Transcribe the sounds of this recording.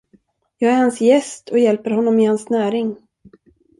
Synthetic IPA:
jɑːɡæɾhansjɛst̪ʰɔjɛlpəɾɦɔnːɔmɪhansnæːɾɪŋ

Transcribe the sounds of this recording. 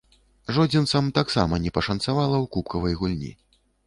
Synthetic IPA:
ʐɔd͡zʲinsamt̪aksa̰mɐnʲɛpɐʂɐnt̪savalˠɐwkup̚kɐvɐjɣulʲnʲḭ

